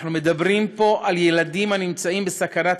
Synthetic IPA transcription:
numed̪abɾimpo̞ʔaljelad̪imanimt͡saimbesakanat

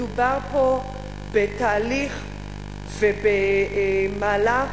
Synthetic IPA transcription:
ubaʁpo | bet̪aːliχ | vebe | maːla

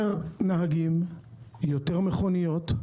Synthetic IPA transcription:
ʁnaɦaɡim | joteʁmeχonijo̞t̪

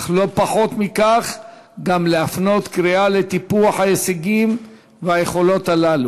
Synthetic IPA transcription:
lo̞paħo̞t̪mikaχ | ɡamleafno̞t̪kɾialet̪ipuaħhajeseɡim | veaje̞χo̞lo̞t̪alalu

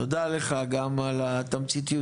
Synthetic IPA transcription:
od̪aleχaɡamalat̪amt͡sit̪iju

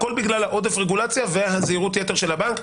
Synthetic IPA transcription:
ko̞lbiɡlalhaʔo̞d̪efʁeɡulat͡sjavehaziʁutjete̞ʁʃe̞lhabank

